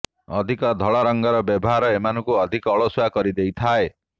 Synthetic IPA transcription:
ɔd̪ʱikɔd̪ʱɔɭɔɾɔŋɡɔɾɔbjɔbɔɦaɾɔemanɔŋkuɔd̪ʱikɔːɭoswakɔɾid̪ejt̪ʰae

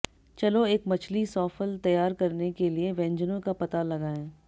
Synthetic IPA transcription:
t͡ʃɐloeːkmɐt͡ʃʰlisɔːfəlt̪ɐjaːɾkɐɾnekelieʋɛ̃ːɲd͡ʒənõkapɐt̪alɐɡaːẽː

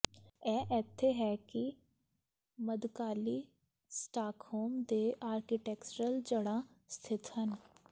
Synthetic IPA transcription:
ɛːʔɛːt̪ʰeɦɛːki | məd̪kaːliː | sʈaːkhoːmd̪eːʔaːɾkiʈɛːkt͡ʃəɾəld͡ʒəɽãst̪ʰɪt̪ɦən

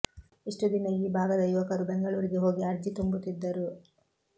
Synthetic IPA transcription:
iʂʈud̪inɐiːbʱaːɡɐd̪ɐjuʋɐkɐɾubeŋɡɐɭuːɾiɡeɦo̞ːɡiɐɾd͡ʒit̪umbut̪id̪ːɐɾu

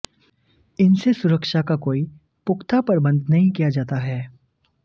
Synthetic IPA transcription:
ɪnsesʊɾəkʃakakoːi | pʊkʰt̪ʰapɐɾbə̃nd̪nɐɦĩkijad͡ʒaːt̪aɦɛː

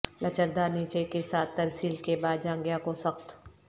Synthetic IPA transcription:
lɐt͡ʃək̚d̪aniːt͡ʃekesaːt̪ːɐɾsiːlkebaːd̪d͡ʒãːŋɡjakosɐxt̪

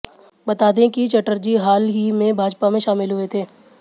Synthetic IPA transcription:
bɐt̪aːd̪ẽkit͡ʃɐʈəɾd͡ʒiɦaːlɦimẽbʱaːd͡ʒpamẽʃaːmɪlɦʊet̪ʰeː

